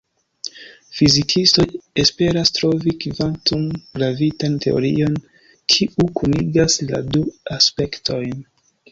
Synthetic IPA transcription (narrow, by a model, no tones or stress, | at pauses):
fizikʰisto̞je̞spe̞ɾastɾo̞vikivantumɡɾavitantʰe̞̰o̞̰ɾḭo̞n | kʰiʔukʰuniɡasla̰duaspe̞ktʰo̞jn